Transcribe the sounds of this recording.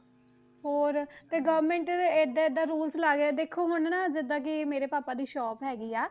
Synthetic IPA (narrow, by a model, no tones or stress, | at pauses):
ɦoːɾt̪eːɡəʋəɾmẽːɳʈeːd̪aːed̪aːɾuːlslaːɡed̪eːkʰːoːɦonːnaːd͡ʒɪd̪ãːk̬ɪmeːɾeːpaːpaːd̪iːʃɔːpɦɛːɡiːaː